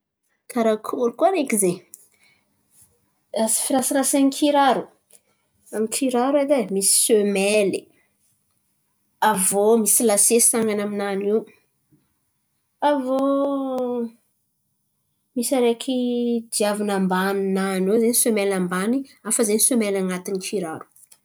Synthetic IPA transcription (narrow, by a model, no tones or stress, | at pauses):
k̪ʰaɾakʰuɾukuaɾekize | asi̥fiɾasiɾasankʰiɾaɾu | amikʰiɾaɾued̪emisi̥sømeli | avomisilasesi̥aŋɡanaminaniw | avo | misaɾekʰid̪iavunambaninanizanisømelambaniafəzenisømelaŋat̪inikʰiɾaɾu̥